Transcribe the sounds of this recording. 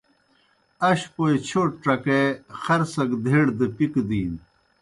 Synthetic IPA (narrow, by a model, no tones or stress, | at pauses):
ɐɕpojt͡ɕʰoːʈʈ͡ʂɐkexɐɾsɐɡd̪ʱeːɽd̪epikd̪iːn